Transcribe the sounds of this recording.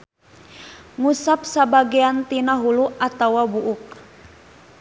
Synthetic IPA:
ŋusap̚sabaɡiant̪inaɦuluat̪awabuʔuk̚

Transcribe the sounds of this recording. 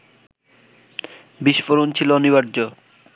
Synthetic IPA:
biʃfoɾont͡ɕʰiloniβaɾd͡ʑo

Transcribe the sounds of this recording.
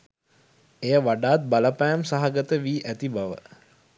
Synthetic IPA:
ejəʋaɖaːt̪̚baləpæjamsaɦaɡət̪əʋiːʔæt̪ibaʋə̰

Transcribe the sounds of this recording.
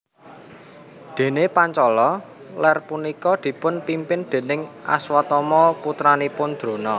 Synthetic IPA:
d̪̥e̤nepaɲt͡ʃɔlɔ | lɛrpunikɔd̪̥i̤pʊnpimpɪnd̪̥e̤nɪŋʔa̰swat̪ɔmɔput̪ɾanipʊnd̪̥ɾo̤nɔ

